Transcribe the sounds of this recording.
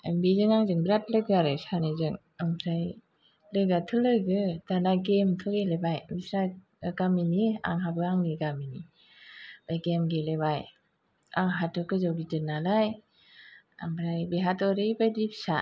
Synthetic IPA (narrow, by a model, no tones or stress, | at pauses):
ambizɯŋaŋzɯŋbɾat̚lɯɡaɾɯsanizɯŋ | aŋzaj | lɯɡatʰɯlɯɡɯdanaɡemtʰɯɡelebajmisɾa | kaminia̰ŋɦabɯaŋniɡamini | b̥ajɡemɡelebaj | aŋɦatɯkɯzawɡitɯnalaj | a̰mbɾajbeɦatɔɾibajdipsa